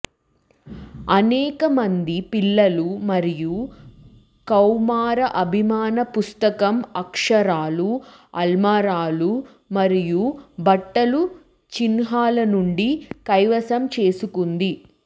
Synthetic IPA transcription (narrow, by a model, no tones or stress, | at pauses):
ɐnɛːkɐmɐnd̪ipilːɐlumɐɾiju | kɐwmaːɾɐʔɐbʱimaːnɐpust̪ɐkɐmɐkʂɐɾaːluɐlmaːɾaːlu | mɐɾijubɐʈːɐlu | t͡ʃinɦaːlɐnuɳɖikɐjʋɐsɐmt͡ʃe̞ːsukund̪i